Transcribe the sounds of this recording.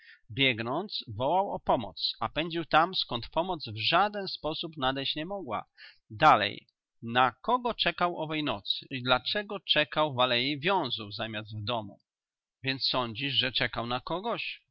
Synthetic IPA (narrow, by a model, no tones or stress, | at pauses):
bʲjɛɡnɔnt̪svɔwawɔ̰pɔmɔ̰t̪sapɛɲd͡ʑiwt̪amskɔnt̪pɔmɔt̪zvʐad̪ɛnspɔsupnad̪ɛɕt͡ɕɲɛmɔɡwa̰ | d̪alɛ̰j | nakɔɡɔt͡ʂɛkawʔɔvɛjnɔt̪sɘ̥id̪lat͡ʂɛɡɔt͡ʂɛkawvalɛjivʲjɔ̃w̃zuwzamʲjazd̪vd̪ɔmṵ | vʲjɛnt̪ssɔɲd͡ʑiʂʐɛt͡ʂɛkawnakɔɡɔɕ